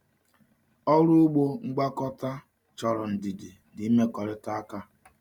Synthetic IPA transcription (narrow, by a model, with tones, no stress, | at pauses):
ɔ˦ɾu˦ʊ˦ɡ͡bo˦ŋ͡m̩˦ɡ͡ba˦kɔ˦ta˦ | t͡ʃɔ˨ɾɔ˨n̩˨di˨di˨ | ndi˨˦i˦me˦kɔ˨ɾɪ˦ta˦a˦ka˦